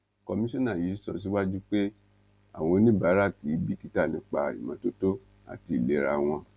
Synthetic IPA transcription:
kɔ˧mĩ˦ʃɔ̃˦nã˦˨ji˨˦sɔ˧s̬i˦wa˦d͡ʒu˦k͡pe˦ | a̰˨w̃ɔ̃˧˦nĩ˦ba˨˦ɾa˦˨ki˨˦bi˦ki˨˦ta˦˨nĩ˧˦k͡pa̰˧ḭ˨mã˨˧˦to˦to˦ | a̰˨ti˧i˨le˨˦ɾa˧˨w̃ɔ̃˧

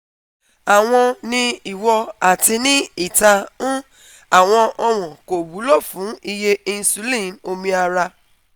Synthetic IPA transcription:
a˨w̃ɔ̃˧nĩ˧i˨wɔ˧a˨ti˧nĩ˦i˦˨ta˧ũ˦ | a˨w̃ɔ̃˧ʔɔ˧w̃ɔ̃˨ko˨bu˨˦lɔ˦˨fũ˨˦i˦˧je˦ĩ˧n̩˧su˨˦lĩ˦˨no˧mĩ˧a˧ɾa˧

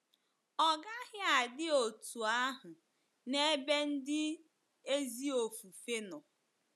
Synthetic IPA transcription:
ɔ˨ɡa˦ɦɪ˦a˨dɪ˦o˨tu˨a˦ɦʊ˨ | ne˦be˦n̩˦dɪ˦ | e˦zi˦o˨fu˨fe˦nɔ˨

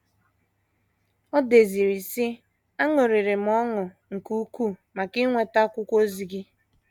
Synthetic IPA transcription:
ɔ˦de˨zi˨ɾi˨sɪ˦ | a˦ŋo˨ɾi˨ɾe˨m̩˨ɔ˦ŋʊ˨ | ŋ̩˨ku˦ku˦˨ma˨kɪ˦ŋʷe˨ta˦kʷʊ˦kʷo˦zi˨ɡi˦

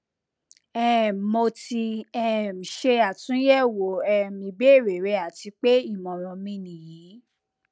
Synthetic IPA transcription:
ɛ˦˨mo˧ti˧ɛ˦˨m̩˨ʃe˧a˨tũ˨˦jɛ˦˨wo˨ɛ˧mĩ˧be˦˨ɾe˨ɾe˨˧˦a˦˨ti˧k͡pe˦i˦˨mɔ̃˨ɾ̃ɔ̃˧mĩ˧nĩ˨jĩː˨˦

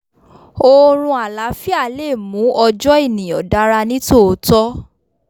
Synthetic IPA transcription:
o˧ɾ̃ũ˧a˨la˨˦fi˦a˦˨le˦˨mũ˨˦ʔɔ˧d͡ʒɔ˦i˦˨nĩ˨ɔ̰̃˨da˨˦ɾa˧nĩ˦to˦˨o˧tɔ˦

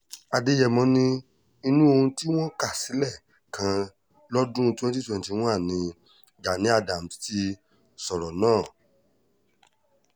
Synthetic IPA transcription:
a˧de˧˦jɛ˨mɔ̃˨˦nĩ˧ | i˧nũ˦o˧hũ˧ti˦w̃ɔ̃˦ka˦˨si˨˦lɛ˦˨ | kʰã˧˦ | lɔ˦dũ˦˧tĩ˦ɔ̃˦ti˦tẽ˦˨ti˨˧w̃ɔ̃˦a˦˨nĩ˨˧ | ɡa˨nĩ˨˦a˧da˨m̩˨ti̥˦ti˧˦ | sɔ˨ɾɔ˨nãː˦˨

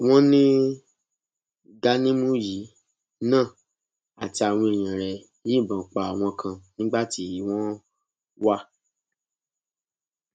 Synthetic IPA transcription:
w̃ɔ̃˦nĩ˦ | ɡa˦nĩ˦mũ˦ji˨˦ | nãː˦˨ | a˨ti˧a˨w̃ɔ̃˧e˨j̃ĩ˨ɾɛ˨ | jĩ˦˨bã˨k͡pa˨a˨w̃ɔ̃˧kʰã˧nĩ˦ɡ͡ba˦˨ti˧˦˨ji˨˦w̃ɔ̃˦ | wa˦

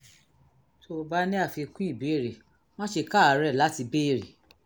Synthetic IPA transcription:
tʰo˧ba˦nĩ˦a˦˨fi˧kũ˦i˦˨be˨˦e˦˨ɾe˨ | m̃ɔ̃˦ʃe˧ka˦˨a˨˦ɾɛ˦˨la˨˦ti˧be˦˨ɾḭ˨

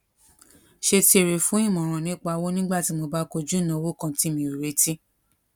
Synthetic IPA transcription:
ʃe˧ti˧e˨ɾe˨fũ˨˦ĩ˦˨mɔ̃˨ɾ̃ã˨nĩ˨˦k͡pa˧˦˧wo˦nĩ˦ɡ͡ba˦˨ti˨˦mo˧ba˦ko˧d͡ʒu˦nã˨˧˦wo˦kã˧ti˦mĩ˧˨ɾu˨ɾe˨˦ti˦

